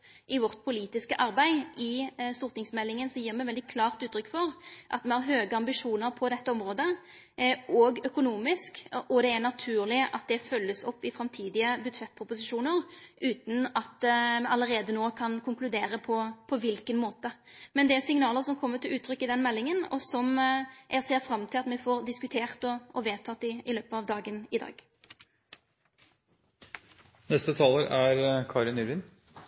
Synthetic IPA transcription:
ʔɪʋɔʁt̪̚pʰʊliːt̪ɪskəʔɑʁbæɪɪst̪ʊʁt̪nɪŋsmɛlːɪŋənsɔjiːʁmɛʋɛld̪ɪkʰlɑːʁt̪ʉːt̪ɾʏkːfɔʁʔɑ̰t̪mɛhɑʁɦøːɡəɑmbɪʂuːnəɾpʰɔd̪ɛt̪ːəɔmɾoːd̪ə | ʔɔɡœkʊnuːmɪskʔɔd̪ɛːnɑt̪ʰʉːʁlɪʔɑ̰t̪̚d̪ɛfœlːəsɔpːɪfɾɑmt̪ʰiːd̪ɪəbʉd̪ʂɛt̪̚ːpʰɾʊpʊsɪʂuːnəʁʔʉːt̪n̩ɑt̪ːmɑlːəʁeːd̪ənoːkʰɑnkʰʊŋklʉd̪eːɾəpʰɔpʰɔʋɪlkənmoːt̪ə | mɛnd̪ɛæʁsɪŋnɑːləʁsɔmkʰɔmːət̪ʰɪlʉːt̪ʰɾʏkːɪd̪ɛnmɛlːɪŋənɔ̰sɔmʔæseːʁfɾɑmːt̪ʰɪlɑt̪mɛfoːʁd̪ɪskʉt̪ʰeːʁt̪ɔɔʋeːt̪ʰɑt̪ːɪʔɪløːpəɑʋd̪ɑːɡənɪd̪ɑ̰ːɡ̥ | nɛst̪ət̪ʰɑːləɾæɾkʰɑːɾɪnyɾʋɪːn

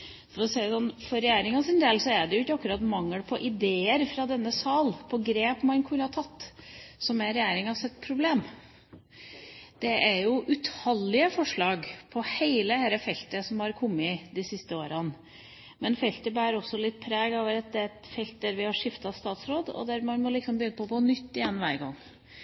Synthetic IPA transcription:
fɔɾɔsɛɪsɔnfɔɾɛjæːɾɪŋɑsɪnd̪elsɔæɖɛjʊɪkːəɑkːʉɾɑːt̪mɑŋːəlpʰɔʔɪd̪eːəɾfɾɑd̪ɛnːəsɑːlpʰɔɡɾeːpmɑnkʰʉnhɑɾt̪ʰɑt̪ːsɔmɛɾɛjæːɾɪŋɑsɛt̪ːpʰɾʊbleːm | d̪̥ɛʔæɾjʊʔʉt̪hɑlːɪəfɔʂɭɑːɡpʰɔheɪləhæːɾəfɛlt̪əsɔmhɑɾkʰɔmːɪd̪ɪsɪst̪əoːɾɑn | mɛnfɛlt̪əbæːɾɔsːɔlɪt̪ːpʰɾeːɡoːʋəɾɛt̪̚d̪ɛt̪fɛlt̪̚d̪æɾʋɪhɑʂɪft̪ɑst̪ɑːt̪sɾoːd̪ɔ̰d̪æɾmɑnmɔlɪksɔmbəjʏnːəpʰɔɡoːnʏt̪ːɪjɛnːʋæːɾɡɑŋː

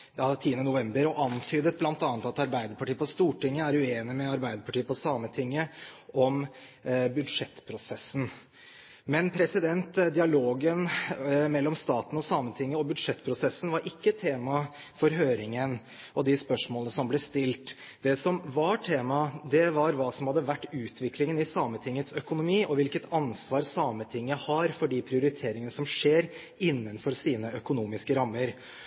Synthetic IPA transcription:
jɑːt̪ʰiːənənʊʋɛmbəɾɔʔɑnt̪ʰyːd̪ət̪̚blɑnt̪ɑːnət̪ɑt̪ɑɾbæɪd̪əɾpɑʈiːəpɔst̪uːʈɪŋːəæɾʉeːnɪmɛɑɾbæɪd̪əɾpʰɑʈiːəpɔsɑːmət̪ʰɪŋːəʔɔm | bʉd̪ʂɛt̪ːpʰɾʊsɛsːən̩ | mɛnpʰɾɛsɪd̪ɛnt̪d̪ɪɑloːɡənmɛlːɔmst̪ɑːt̪n̩ɔsɑːmːənt̪ʰɪŋːəɔbʉd̪ʂɛt̪ːpʰɾʊsɛsn̩ʋɑɾʔɪkːət̪ʰeːmɑfɔɾɦøːɾɪŋən | ʔɔd̪ɪspœʂmoːlənəsɔmblɛst̪ɪlt̪d̪̥ɛsɔmʋɑʈʰeːmɑd̪ɛʋɑɾʋɑːsɔmhɑd̪ːəʋæʈːʉːt̪ʰʋɪklɪŋənɪsɑːmət̪ʰɪŋːət̪sœkʊnʊmiːʔɔʋɪlkət̪ɑnsʋɑːɾsɑːmət̪ʰɪŋːəhɑɾfɔɖiːpʰɾɪʊɾɪt̪ʰeːɾɪŋənəsɔmʂeːɾ | ɪnːənfɔɾsiːnəʔœkʊnuːmɪskəɾɑmːəɾ

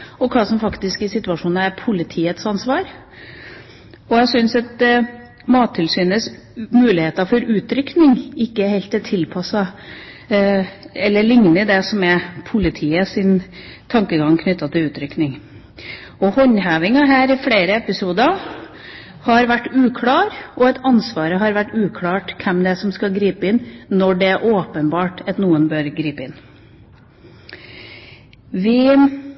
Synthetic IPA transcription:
ɔkʰɑːsɔmfɑkt̪ɪskɪsɪt̪ʉɑʂuːnɑæɾpʰʊlɪt̪ʰiːət̪sɑnsʋɑːɾ | ɔjæsʏnsɑt̪̚ | mɑːt̪ʰːɪlsyːnəsmʉːlɪheːt̪ɑfɔɾʉːt̪ɾʏknɪŋɪkːəhelt̪ɛt̪ʰɪlpʰɑsɑ | ɛlːəɭɪŋnəd̪ɛsɔmɛpʰʊlɪt̪ʰiːəsɪn | t̪ʰɑŋkəɡɑŋːkʰnʏt̪ːɑt̪ʰɪlʉːt̪ɾʏknɪŋ | ɔhɔɲhæːʋɪŋɑɦæːɾɪfɽeːɾəɛpɪsuːd̪ɑ | hɑɾʋæʈːʉːkʰɽɑːɾʔɔɛt̪ʰɑnsʋɑːɾəɦɑɾʋæʈːʉːkʰlɑːʈkʰɛmd̪ɛæsɔmskɑɡɾiːpəɪnnɔɖɛæɾʔoːpənbɑːʈɑt̪nuːənbøːɾɡɾiːpəɪn | ʋɪ

